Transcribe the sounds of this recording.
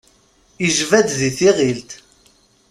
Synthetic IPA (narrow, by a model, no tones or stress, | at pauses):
iʒvæd̪ðiθiʁilt̪